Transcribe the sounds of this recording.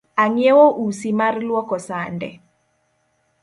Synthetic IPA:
aŋjɛwoʔusimaɾlwɔkɔsandɛ̰

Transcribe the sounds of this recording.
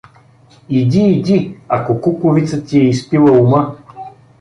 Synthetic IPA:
id̪iːd̪ia̰kokukʊvit̪sət̪iɛispilˠəumə

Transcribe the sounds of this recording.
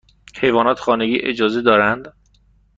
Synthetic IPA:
he̞jvɒːnɒːt̪ʰxɒːne̞ɟiːʔe̞̰d͡ʒɒːzed̪ɒːɾænd̪

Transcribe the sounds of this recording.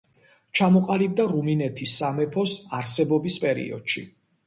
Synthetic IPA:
t͡ʃʰamɔqʼalib̚d̪aɾuminɛt̪ʰisːamɛpʰɔsaɾsɛbɔbispʼɛɾḭɔ̰d̪̥ʃḭ

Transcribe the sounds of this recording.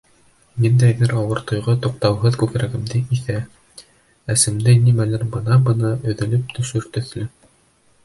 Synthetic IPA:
mind̪æjðɘɾɑwɤɾt̪ŏjʁɤt̪uq̚t̪ɑwɦɤðkʉkɾæɡɘ̆md̪ɘiθæ | æsɘ̆md̪ɘnimælæɾbɤ̆nɑbɤ̆nɤʔɵ̆ðɘ̆lɘp̚t̪ʰɵ̆ʃɵɾt̪ɵ̆θlɘ

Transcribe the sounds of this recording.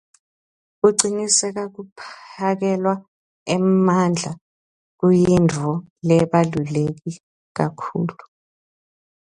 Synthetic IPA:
k̬uǀinisɛk̬ak̬upʰak̬ɛlwa | ɛmand͡ɮʱa | k̬ujindʱɔlɛɓalulek̬i | k̬akʰuːlu

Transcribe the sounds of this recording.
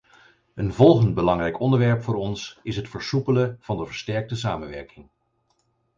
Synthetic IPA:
ənvɔlˠχənd̚bəlɑŋrɛjkɔndəɹʋɛɹpfʊːɾɔnsɪsɦətfəɹsupələv̥ɑndəvəɹstɛɹk̚təsaːmənʋɛɹkɪŋ

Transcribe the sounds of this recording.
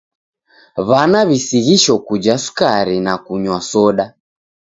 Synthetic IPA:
βanaβisiɣiʃɔkud͡ʒasu̥kaɾinakuɲwasɔɗa

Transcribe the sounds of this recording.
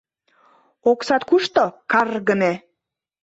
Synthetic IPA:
oksɑt̪kuʃt̪okɑrɣəne

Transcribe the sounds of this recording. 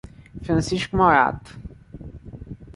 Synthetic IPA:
fɾɐ̃nsiʃkumoɾa̰t̪

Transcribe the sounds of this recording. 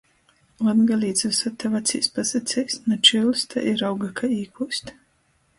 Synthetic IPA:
lanɡalʲiːd̪zasat̪ːɛvat̪sʲḭːspasat̪sʲɛjsnɔt͡ʃilst̪ʰa̰ʔiɾawɡakʰaiːkusʲt̪

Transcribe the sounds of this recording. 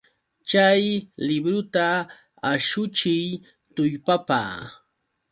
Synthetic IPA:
t͡ʃajlɪbɾʊt̪a | aʃʊt͡ʃɪj | t̪ʊjpapa̰ː

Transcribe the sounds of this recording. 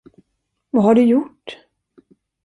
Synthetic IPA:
vaɦaɖɵjʊʈː

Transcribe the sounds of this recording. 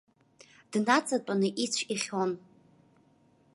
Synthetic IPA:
d̥nat͡sʼatʷʼanɨʔit͡sʷʰiχʲon

